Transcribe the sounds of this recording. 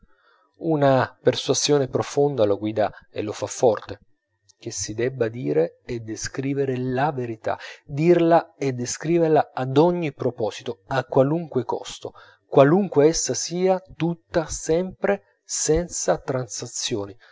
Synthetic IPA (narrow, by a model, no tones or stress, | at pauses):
unapersuazjoːnepɾofond̪aloɡwiːd̪aḛlofafːɔrt̪e | k̟esid̪ɛbːad̪iːɾeed̪ːeskɾiːveɾelaveɾit̪a̰d̪irlaed̪ːeskɾiːverlaad̪ɔɲːipɾopɔːsi̥t̪oakːwaluŋkwekɔ̰st̪o̰ | kwaluŋkweɛsːasiːat̪ut̪ːasɛmpɾe | sɛnt̪sat̪ɾansat̪sːjoːni